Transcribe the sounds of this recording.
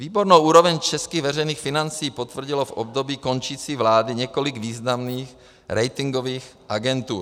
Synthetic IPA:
viːboɾnowʔuːɾovɛɲt͡ʃɛskiːɣvɛr̝ɛjniːxfɪnant͡siːpot̪vr̩ɟɪlofʔo̰bd̪obiːko̞nt͡ʃiːt͡siːvlaːdɪɲɛkoliɡviːznamniːx | ɾɛjt̪ɪŋɡoviːxʔaɡɛnt̪uːɾ

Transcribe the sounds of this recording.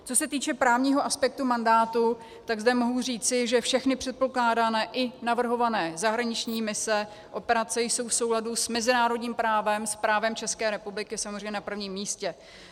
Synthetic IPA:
t͡so̞sɛt̪iːt͡ʃɛpɾaːvɲiːɦoʔaspɛk̚t̪umandaːt̪u | t̪aɡzdɛmo̞ɦuriːt͡sɪʒɛfʃɛxnɪpr̝̥ɛt̪̚po̞klaːdaːnɛːʔɪnavr̩ɦo̞vanɛːzaɦɾaɲɪt͡ʃɲiːmɪsɛ | ʔo̞pɛɾat͡sɛjso̞wfsowladusmɛzɪnaːɾo̞dɲiːmpɾaːvɛmspɾaːvɛmt͡ʃɛskɛːɾɛpublɪkɪsamozrɛjɲɛnapr̩vɲiːmːiːscɛ

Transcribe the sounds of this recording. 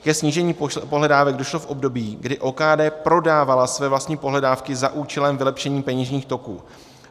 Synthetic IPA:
kɛsɲiːʒɛɲiːpoɦlɛdaːvɛɡdo̞ʃlo̞fʔo̞bdo̞biːɡdɪʔoːkaːdɛːpɾo̞daːvalasvɛːvlast̪ɲiːpoɦlɛdaːfkɪzaʔuːt͡ʃɛlɛmvɪlɛpʃɛɲiːpɛɲiʒɲiːxt̪o̞kuː

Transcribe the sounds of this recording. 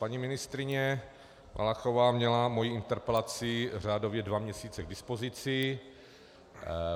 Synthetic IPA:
paɲimɪnɪst̪ɾɪɲɛ | mʔa̰laxo̞vaːmɲɛlamo̞jiɪnt̪ɛɾpɛlat͡sɪr̝aːdo̞vjɛdvamɲɛsiːt͡sɛɡ̚dɪspo̞zɪt͡sɪ

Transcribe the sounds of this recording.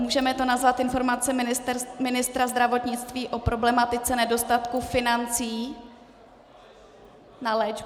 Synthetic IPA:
muːʒɛmɛt̪o̞nazvat̪ʔɪnfo̞ɾmat͡sɛmɪnɪst̪ɾazd̪ɾavo̞t̪ɲɪt͡st̪viːʔo̞pɾo̞blɛmat̪ɪt͡sɛnɛdo̞st̪at̪kufɪnant͡siː | nalɛːd͡ʒ

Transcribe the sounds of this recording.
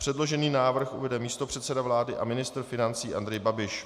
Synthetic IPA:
pr̥ɛdlo̞ʒɛniːnaːvr̩xʔṵvɛdɛmiːst̪o̞pr̥ɛt̪sɛdavlaːdɪʔa̰mɪnɪst̪r̩fɪnant͡siːʔa̰nd̪ɾɛjbabɪʃ

